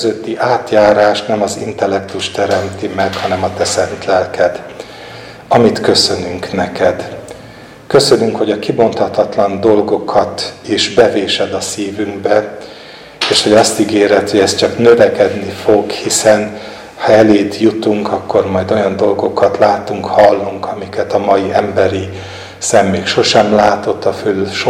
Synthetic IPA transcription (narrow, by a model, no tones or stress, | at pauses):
zøt̪ːiʔaːt̪jaːɾaːʃnɛmɒzḭnt̪ɛlːɛk̚t̪uʃt̪ɛɾɛmt̪imɛkhɒnɛmɒt̪ɛsɛnt̪lɛlkɛd̪ | ɒmit̪kø̞sø̞nyŋknɛkɛd̪ | kø̞sø̞nyŋkho̞ɟɒkibo̞nt̪ɒt̪ɒt̪lɒnd̪o̞lɡo̞kʰɒt̪iʒbɛveːʃɛd̪ɒsiːvyŋɡbɛ | eːʃho̞ɟɒst̪iɡeːɾɛt̪hoɟɛst̪t͡ʃɒknø̞vɛkɛd̪nifo̞ɡhisɛn | hɒɛleːd̪jut̪uŋkɒkːo̞rmɒjd̪o̞jɒnd̪o̞lɡo̞kɒt̪laːt̪uŋkhɒlːuŋkɒmikɛt̪ɒmɒjiɛmbɛɾi | sɛmːeːkʃo̞ʃɛmlaːt̪o̞t̪ːɒfylʃo